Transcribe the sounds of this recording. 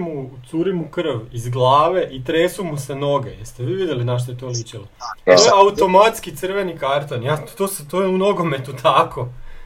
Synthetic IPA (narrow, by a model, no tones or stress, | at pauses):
mut̪suːɾimukr̩ʋizɡlˠaːʋe̞ʔit̪ɾeːsumuseno̞ɡejeɾst̪eʋiːʋid̪jelinaʃ̬t̪oet̪olit͡ɕiloeojeaut̪o̞mat̪skit̪sɨrʋe̞nikaɾt̪onjat̪oːst̪oeuno̞ɡo̞me̞t̪ut̪ʰakʰo